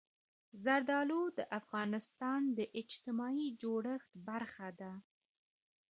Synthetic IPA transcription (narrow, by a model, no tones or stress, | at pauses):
zaɾd̪ɑlod̪əʔafɣɑnɪst̪ɑnd̪əʔɪd͡ʒt̪ɪmɑid͡ʒoɽəxt̪baɾxad̪a